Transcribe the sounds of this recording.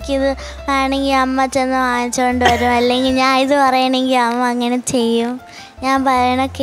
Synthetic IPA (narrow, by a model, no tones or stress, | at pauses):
kʲːɨiðɨ | aːjɳe̞ŋɡilɐmːɐt͡ɕːenːɨʋaːnit͡ɕːuko̞ɳɖɨʋɐɾumɐlːe̞ŋɡilɲaːniðɨpɐrɐjɐɳɖeŋɡilɐmːɐɐŋːɐne̞t͡ɕe̞jːum | ɲaːnpɐrɐjɐɳokːe